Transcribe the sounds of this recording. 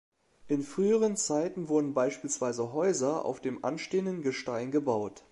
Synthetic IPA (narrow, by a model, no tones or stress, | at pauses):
ʔɪnfʁ̥yːəʁ̞ənt͡saɪtn̩vʊɐdn̩baɪʃpiːlsv̥aɪzəɦɔʏzɐʔa̰ʊfd̥eːmʔa̰nʃteːəndənɡəʃtaɪnɡəbaʊt